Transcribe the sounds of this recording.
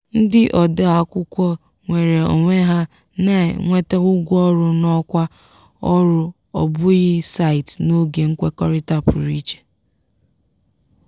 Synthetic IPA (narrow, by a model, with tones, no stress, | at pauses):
n̩˦dɪ˦ʔɔ˨da˦a˨kʷʊ˦kʷɔ˦ | ŋʷe˨ɾe˨o̰˨ŋʷe˦ɦa˦ | nḛ˨ŋʷe˦te˦ɣʊ˦ɡʷɔ˦ɾʊ˦nɔ˦kʷa˦ | ɔ˦ɾʊ˦ | ɔ̰˨bʊ˦ɣɪ˦sa˦˨ɪ˨tno˦ɡe˨ŋ̩˦kʷe˦kɔ˦ɾɪ˦ta˦pʊ˨ɾi˦t͡ʃe̥˨